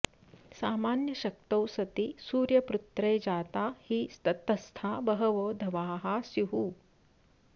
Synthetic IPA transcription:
saːmaːnjɐʃɐk̚t̪ɐwsɐt̪isuːɾjɐpɾut̪ɾejd͡ʒaːt̪aːhist̪ɐt̪ɐst̪ʰaːbɐɦɐʋoːd̪ʱɐʋaːɦasjuɦu

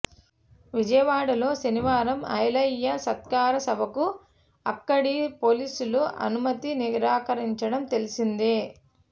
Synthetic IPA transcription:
ʋid͡ʒɐjɐʋaːɽɐlo̞ːsɐniʋaːɾɐmɐ̰jɐlɐjːɐsɐt̪̚kaːɾɐsɐbʱɐku | ɐ̰kːɐɽipo̞ːliːsuluʔɐ̰numɐt̪iniɾaːkɐɾiɲt͡ʃɐɽɐmt̪e̞lisind̪i

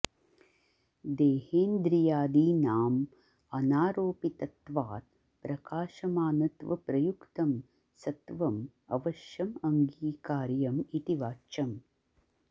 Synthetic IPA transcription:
d̪eːheːnd̪ɾijaːd̪iːnaːm | ɐnaːɾoːpit̪ɐt̪ʋaːt̪ | pɾɐkaːʃɐmaːnɐt̪ʋɐ̰pɾɐjukt̪ɐm | sɐt̪ʋɐm | ɐ̰ʋɐʃjɐmɐŋɡiːkaːɾjɐmit̪iʋaːt͡ʃɐm

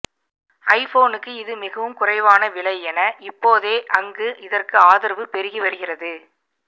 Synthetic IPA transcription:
ɐɪfoːnɯkːɯɪðɯmɪɣɐʋɯmkʊrɐɪʋaːnɐʋɪɭɐɪɛnɐʔɪpːoːðeːʔɐŋɡɯʔɪðɐrkɯaːðɪɾʋɯpɛɾɯɣiʋɐɾɯɣɪrɐðɯ

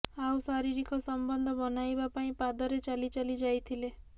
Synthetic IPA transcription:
awsaɾiɾikʰɔsɔmbɔnd̪ʱɔbɔnajbapaĩpad̪ɔɾet͡ʃalit͡ʃalid͡ʒajt̪ʰile

